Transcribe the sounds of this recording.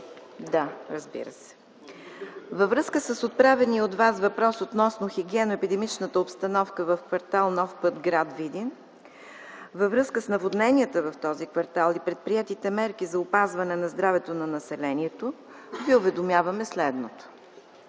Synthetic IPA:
d̪aɾəzbḭɾə̰sɛ̥ | vɐvɾɤskəsəsot̪̚pɾavɛniod̪vasvɐpɾɔsot̪nɔsnoxiɡʲiɛnoɛpid̪ɛmit͡ʃnət̪əopst̪ɐnɔfkəvəfkvɐɾt̪alˠnɔfpɤt̪ɡɾad̪vid̪in | vəvɾɤskəsnɐvod̪nɛnʲiət̪əvɐft̪ɔzikvɐɾt̪alˠipɾɛt̪̚pɾiɛt̪it̪ɛmɛɾkizɐʊpazvɐnɛnɐzd̪ɾavɛt̪onɐnɐsɛlɛniɛt̪o | viʊvɛd̪ʊmjavəmɛslɛd̪not̪o̥

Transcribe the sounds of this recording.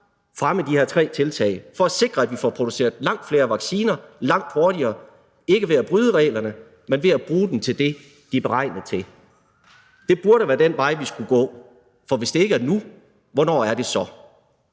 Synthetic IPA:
fʁaməd̥iheɐt͡sʰʁɛ̰ːt͡sʰe̝lt͡sʰɛ̰ɪfɒ̽æse̝ɡ̥ʁɐæd̥ʋifɒpʰʁo̝d̥use̝̰ːɐðˠlɑ̈ŋ̰d̥fle̝ːɐʋɑ̈ɡ̥siːnɐlɑ̈ŋ̰d̥ho̝ɐɾiɐː | e̝ɡ̥əʋe̝æb̥ʁyːð̞ˠəʁɛ̰ːɪlɐnə | menʋe̝æb̥ʁuːd̥emt͡sʰe̝ld̥e̝ | d̥ib̥e̝ʁɑ̈ɪnɐð̩ˠt͡sʰe̝l | d̥e̝b̥uɐɾəʋæːɐd̥enʋɑ̈ɪ̰ʋisɡ̥uɡ̥ɔ̰̽ː | fɒ̽ʋe̝sd̥e̝e̝ɡ̥æɐnu | ʋɒnɒ̰ːæɐd̥e̝sɒ̽

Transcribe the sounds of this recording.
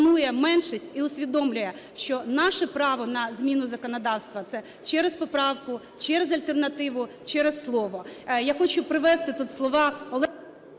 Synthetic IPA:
nujɛmɛnʃisʲtʲiʊsʲʋʲid̪ɔmlʲʊjɛʃt͡ʃɔnɑʃɛpɾɑʋɔnɐzʲmʲinʊzɐkɔnɔd̪ɑwst̪ʋɐt̪sɛ | t͡ʃɛɾespɔpɾɑwkʊ | t͡ʃɛɾezɐlʲt̪ernɐt̪ɪʋʊ | t͡ʃɛɾesslˠɔʋɔjaxɔt͡ʃʊpɾɪʋɛst̪ɪt̪ut̪slˠɔʋɑɔlˠɛ

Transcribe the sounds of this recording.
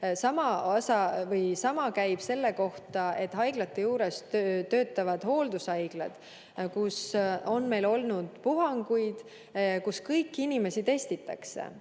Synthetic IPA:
sɑmɑɑsɑvɤjsɑmɑkæjb̥se̞lːe̞ko̞ht̪ɑe̞t̪ːˑɦɑjɡ̥lɑt̪ːejuːɾe̞st̪ø̞ːt̪ːˑɑvɑd̪̥ho̞ːld̪usɑjɡ̥lɑ̰d̪̥ | kuso̞nme̞jlo̞lnud̪̥puɦɑŋɡ̥ujd̪̥ | kuskɤjkːˑinʲime̞sit̪e̞st̪it̪ːˑɑ̰ksḛ

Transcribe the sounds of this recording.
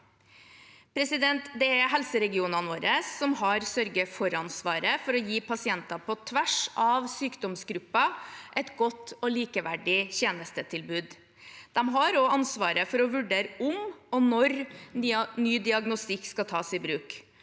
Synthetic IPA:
pʰɾɛsɪd̪ɛnt̪d̪ɛæɦɛlsəɾɛɡɪuːnɑnoːɾəsːɔmhɑɾsœɾɡəfɔɾɑnsʋɑːɾəfɔɾɔjiːpʰɑsɪɛnt̪ɑpʰɔt̪ʰʋæʂɑʋsyːkd̪ɔmsɡɾʉpːɑʔɛt̪ɡɔt̪ːɔliːkəʋæɖɪçeːnəst̪ət̪ʰɪlbʉːd̪ | d̪̥ɛmɦɑɾɔɑnsʋɑːɾəfɔɾɔʋʉɖeːɾəʔʊmɔnɔɾ | nyːd̪ɪɑɡnʊst̪ɪkːskɑt̪ʰɑːsɪbɾʉːk

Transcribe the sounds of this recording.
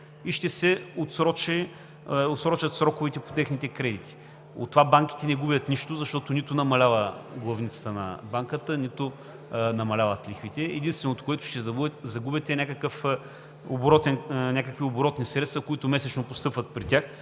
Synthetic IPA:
iʃt̪ɛsɛot̪sɾɔt͡ʃɛ | ot̪sɾɔt͡ʃɐt̪sɾɔkʊvit̪ɛpo̥t̪ɛxnit̪ɛkɾɛd̪it̪i̥ | o̰t̪ːovabaŋk̟i̥t̪ɛnɛɡubʲjət̪niʃt̪ʊzɐʃt̪ɔt̪ʊnit̪ʊnɐmɐlʲavəɡlˠɐvnit̪sɐ̥t̪ənɐ̰baŋkət̪ənit̪ʊ | nɐmɐlʲavət̪lixvit̪ɛɛd̪inst̪vɛnot̪ʊ̥kʊɛt̪ʊ̥ʃt̪ɛzɐbubɛt̪zɐɡubʲɛt̪ɛnʲakəkəf | obɾɔt̪ɛnnʲakəkvioboɾɔt̪nisɾɛt̪st̪vɐkʊit̪ʊmɛsɛt͡ʃnopʊst̪ɤpvət̪̚pɾit̪ʲax

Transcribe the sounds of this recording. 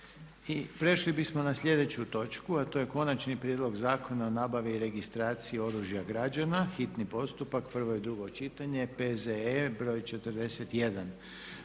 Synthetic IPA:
ipɾe̞ʃlibismo̞naslʲʎe̞d̪e̞t͡ɕut̪o̞t͡ʃkuat̪o̞ːje̞ko̞nat͡ʃnipɾjed̪lo̞ɡzaːkʰo̞nao̞naːbaʋiːɾe̞ɡist̪ɾaːt̪sijio̞ɾuʒjaɡɾad͡ʒanaxit̪nipo̞st̪upakpr̩ʋo̞jid̪ɾuɡo̞t͡ʃit̪aɲe̞pezeebɾo̞ːjt͡ʃet̪əɾd̪e̞set̪je̞d̪an

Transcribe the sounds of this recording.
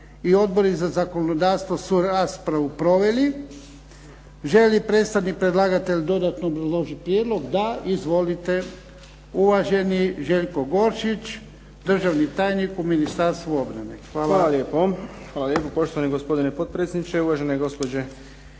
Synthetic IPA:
io̞d̪̚bo̞ɾizazako̞nod̪aːʋst̪ʋosuɾaspɾaʋupɾo̞ʋe̞li | ʒe̞lipɾe̞t̪st̪aʋnik̚pɾed̪lˠaːɡat̪e̞ʎʲd̪o̞d̪at̪noːbɾazlˠo̞ʒipɾjed̪lo̞ɡd̪aizʋo̞lit̪e̞ | uʋaʒe̞niʒe̞ʎkoɡo̞ɾʃit͡ʃ | d̪r̩ʒaʋnit̪aːjnikuminist̪aɾst̪ʋuo̞bɾa̰ne̞̰xʋaːlalaljeːpo | xʋaːlaljepopo̞ʃt̪oʋaniɡospo̞d̪inepod̪̚pɾet̪sʲjed̪nit͡ʃeuʋaʒeneɡo̞spod͡ʑe

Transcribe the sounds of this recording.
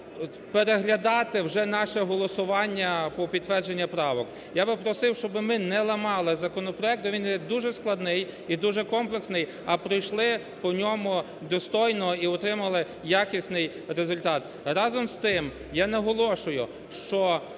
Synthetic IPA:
peɾeɦlʲɐd̪ɑt̪ɪwʒɛnɑʃɛɦɔlˠɔsʊʋɑnʲːɐpɔpʲid̪t̪ʋɛrd͡ʒenʲːɐpɾɑʋɔk | jabɪpɾɔsɪwʃt͡ʃɔbɪmɪnɛlˠɐmɑlˠɪzɐkɔnɔpɾɔɛk̚t̪ʊʋʲinjɛd̪uʒɛsklˠɐd̪nɪjid̪uʒɛkɔmplˠeksnɪj | ɐpɾɔjʃlˠɪ | pɔnʲɔmʊ | d̪ɔst̪ɔjnɔiɔt̪ɾɪmɐlˠɪ | jakʲisʲnɪj | ɾezʊlʲt̪ɑt̪ | ɾɑzɔmst̪ɪm | janɐɦɔlˠɔʃʊjʊ | ʃt͡ʃɔ

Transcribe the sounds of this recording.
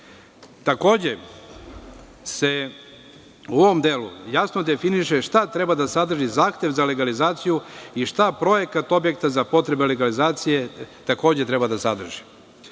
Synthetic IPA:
t̪ako̞ːd͡ʑe̞ | se̞ | uoʋo̞md̪eːlṵjasno̞d̪e̞finiʃe̞ʃt̪at̪ɾe̞bad̪asad̪r̩ʒizaːxt̪e̞ʋzale̞ɡalizaːt̪sijuiʃt̪apɾo̞je̞kat̪o̞bje̞k̚t̪azapo̞t̪ɾe̞bele̞ɡalizaːt̪sije̞t̪ako̞ːd͡ʑet̪ɾe̞bad̪asad̪r̩ʒi̥

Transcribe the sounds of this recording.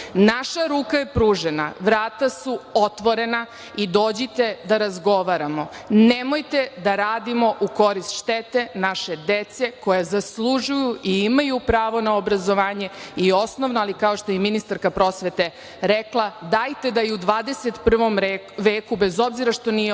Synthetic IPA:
naʃaɾuːkaje̞pɾuːʒenaʋɾaːt̪asuot̪ʋo̞ɾe̞na | id̪oːd͡ʑit̪e̞d̪aɾazɡo̞ʋaɾamo̞nemo̞jt̪e̞d̪aɾaːd̪imo̞ʔuko̞ɾist̪ʃt̪et̪e̞naʃe̞d̪et̪se̞ko̞jazaslˠuʒujuiimajupɾaːʋo̞naobɾazo̞ʋaːɲeio̞snoʋnoalikao̞ʃt̪o̞jeminist̪aɾkapɾo̞sʋe̞t̪e̞ | ɾeklˠad̪ajt̪e̞d̪ajeud̪ʋaːd̪eset̪pr̩ʋo̞m | ʋeːkubezo̞bziɾaʃt̪o̞nije

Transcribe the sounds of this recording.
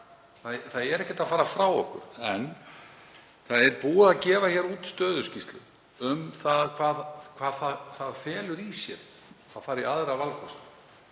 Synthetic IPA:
θaðθaðɛɾɛhcɛ̥t̪afaːɾafɾawɔhkʏ̰ɾɛn | θaðɛɾpuːaaðcɛːvaçɛːɾuːt̪st̪œːðʏscist̪lʏ̰ | ʏmθaðkʰvaːðkʰv̥aːðθaðθaðfɛːlʏɾisjɛɾ | θaðfaːɾɪɾaːðɪɾavalkʰɔst̪

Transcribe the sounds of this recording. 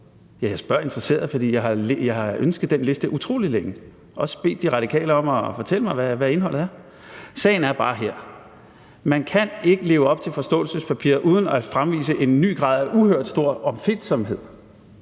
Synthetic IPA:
jæjɑ̈ɪsb̥ɶɐ̰e̝nd̥ʁɐse̝̰ːɐð̩ˠfɒ̽d̥ḭːjɑ̈ɪɦɑ̈lejɑ̈ɪhɑ̈ønsɡ̥əð̩ˠd̥enle̝sd̥əʔut͡sʰʁo̝ːlileŋ̩ | ʔɒ̽sə̥b̥e̝̰ːd̥iʁɑ̈ɾ̥ikʰɛ̰ːləɒ̽mɒfɒ̽t͡sʰel̰əmɑ̈ɪʋæʋæe̝nɦɒ̽l̰ð̩ˠæɐ | sɛ̰ːɪn̩æɐb̥ɑ̈ːɦeɐ̰ | mænkʰæne̝ɡ̥əle̝ːʊɒ̽b̥̚t͡sʰe̝lfɒ̽sd̥ɔ̰̽ːlsəspʰæpʰḭːɐ̰ʔuːð̞ˠn̩æfʁamʋḭːsəʔe̝nːy̰ːɡ̥ʁɑ̰̈ðˠæʔuhøɐd̥sd̥o̝ɐ̰ɒ̽mfed̥sɒ̽mɦe̝ð̰ˠ

